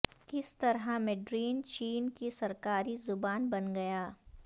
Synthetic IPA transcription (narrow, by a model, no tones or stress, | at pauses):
kɪst̪ɐɾɦãmɛɖɾiːnt͡ʃiːnkisɐɾkaːɾizʊbaːnbɐnɡɐjaː